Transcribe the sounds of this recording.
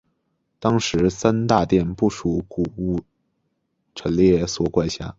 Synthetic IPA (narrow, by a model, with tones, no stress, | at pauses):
t̪ɑ˥ŋʂɻ̩˧˥sa˥nt̪a˥˧t̪jɛ˥˧npu˥˩ʂu˧˥˦ku˨˩u˥˩ | ʈ͡ʂʰə˧˥nljɛ˥˩swɔ˨˩kwa˥˩ɪɕja̰˥˩